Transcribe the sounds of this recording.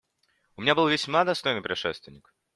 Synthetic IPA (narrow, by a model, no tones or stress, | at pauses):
ʊmʲɪnʲabɨlˠvʲɪsʲmad̪ɐst̪ojnɨjpɾʲɪʂɛ̰st̪vʲɪnʲːik